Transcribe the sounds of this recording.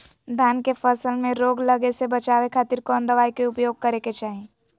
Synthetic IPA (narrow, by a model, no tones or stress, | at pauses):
d̪ʱaːnkefəsəlmẽɾoːɡlɐɡesebɐt͡ʃaːʋekʰaːt̪iːɾkɔːnd̪əʋaːikeʊpjoːɡ̚kɐɾeket͡ʃaːɦẽː